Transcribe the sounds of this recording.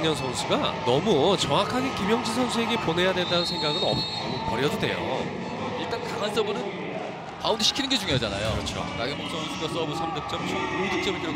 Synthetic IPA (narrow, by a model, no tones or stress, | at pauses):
jʌnsʰʌnsʰuɡanʌmut͡ɕʌŋakʰaɡekimjʌŋd͡ʑis̬ʰʌnsʰue̞ɡe̞pone̞jadwe̞ndanɯnsʰe̞ŋɡaɡɯnʌ̰ | mukʌɾjʌd͡ʑodwe̞̰jo̰ | iɭt͈ankaŋans͈ʌbɯnɯn | paundiɕʰi̥kʰinɯnɡe̞d͡ʑuŋeʌd͡ʑana̰jokɯɾʌt͡ɕʰo̰kaɡeok̚s͈ʌŋiuɡʌs͈ʌbɯsʰʌmɲok̚t͡ɕ͈ʌmt͡ɕʰomuɭduk̚t͡ɕ͈ʌmidɯɭ